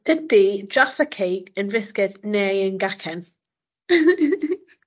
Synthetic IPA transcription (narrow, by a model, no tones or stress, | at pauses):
ədid͡ʒafəkʰejɡənvɪskɪdnɛːjənɡakʰɛn